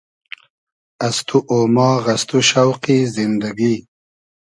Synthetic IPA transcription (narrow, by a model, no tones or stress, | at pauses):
ast̪ʰuʔoːmɑːɣast̪uʃawqizɪnd̪aɡi